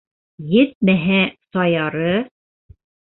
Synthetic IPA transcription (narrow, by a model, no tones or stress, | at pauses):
jɘt̪̚mæɦæsɑjɑɾɤ